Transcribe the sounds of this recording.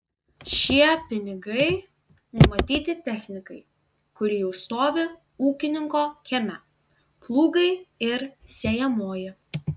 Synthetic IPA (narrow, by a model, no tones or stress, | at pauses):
ʃʲiɛpʲɪnʲɪɡɐɪ | nʊmɐt̪ʲiːt̪ʲɪt̪ʲɛxʲnʲɪkɐɪ | kʊɾʲijɛʊst̪oːʋʲɪ | uːkʲɪnʲɪŋkoːkʲɛmʲɛ | plˠuːɡɐɪɪɾsʲeːjɛmoːjɪ